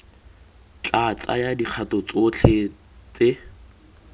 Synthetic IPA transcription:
t͡ɬʼat͡sʼa̰jadiq͡χʰatɔt͡sot͡ɬʰe | t͡sʼe

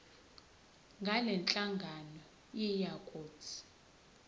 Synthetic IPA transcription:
ŋɡʱalɛnt͡ɬʼaŋɡʱanɔ | jijakʼoːt͡sʰi̥

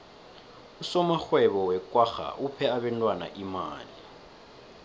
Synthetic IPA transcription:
usɔmaxwɛβɔwɛkʼwaxa̰ʔupʰɛaβɛntʼwana̰ʔima̰ːli

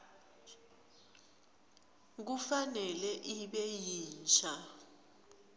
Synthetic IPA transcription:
k̬ufanɛlɛʔiɓɛjiːnt͡ʃʰa

